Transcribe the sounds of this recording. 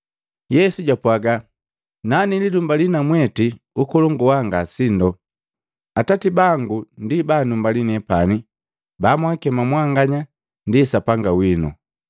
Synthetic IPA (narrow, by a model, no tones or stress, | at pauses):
jɛsuɟapwaɡa | nanilidumbalinamwɛti | ukɔlɔŋɡuwaŋɡasindɔ | atatibaŋɡundibaːnumbalinɛpani | bamwakɛmamwaŋɡaɲa | ndisapaŋɡawinṵ